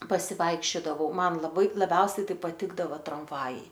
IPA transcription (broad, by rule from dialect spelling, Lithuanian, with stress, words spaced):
pɐsʲɪˈʋɐɪkʃʲt͡ʃʲoːdɐʋɐʊ ˈmɐn lˠɐˈbɐɪ lˠɐˈbʲɛʊsʲɛɪ ˈtɐɪ pɐˈtʲɪɡdɐʋɐ trɐmˈʋɑːjɛɪ